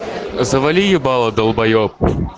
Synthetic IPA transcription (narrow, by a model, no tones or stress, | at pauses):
zɐvɐlʲijɪbɑlˠɐd̪ɐlˠbɐjɔp̚